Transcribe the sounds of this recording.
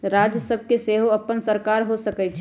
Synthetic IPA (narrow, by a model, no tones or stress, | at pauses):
ɾaːd͡ʒjəsəb̚ʱkeseːɦoɐpːənsəɾkaːɾɦosəkɛt͡ʃʰ